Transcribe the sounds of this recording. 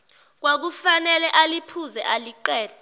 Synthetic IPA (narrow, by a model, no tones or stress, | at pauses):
k̬wak̬ufanɛlɛʔalipʰuzɛʔaliǃɛːlɛ